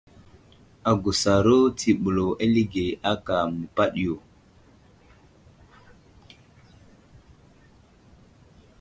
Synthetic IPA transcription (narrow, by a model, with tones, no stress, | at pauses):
a˨ɡu˨sa˨ɾo˦tʰi˨ɓu˨lo˨ʔe˦li˦ɡe˨a˦ka˨mu˨pa˦ɗi˨jo˨